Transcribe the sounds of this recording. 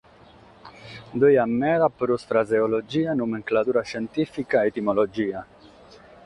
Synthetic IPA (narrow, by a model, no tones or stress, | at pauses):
d̪øjamːɛɾapɾusfɾazeolod͡ʒiːanumeŋklat̪uɾaʃent̪ifikaet̪imolod͡ʒiːa